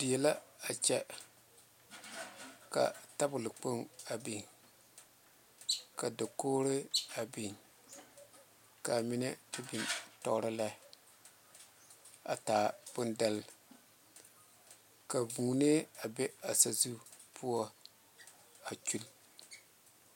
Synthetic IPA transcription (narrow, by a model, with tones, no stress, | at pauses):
dɪ˨jɛ˨la˦a˨t͡ʃɛ˦ | ka̰˨ta˦bʊ˨lɨ˨k͡po˦ŋa˨bi˨ŋ | ka˨da˨koː˦ɾɪ˦a˨bi˨n | ka˨mi˦nɛ˦tɪ˦bi˨ntɔ˦ɾɨ˦la˦ | a̰˨taː˨b̥ʊ˦nda˦l | ka˨vuː˨ne˦a˨bɛ˦a˨sa˨zu˦pʰu˦ɔ˦ | a˨t͡ʃu˦l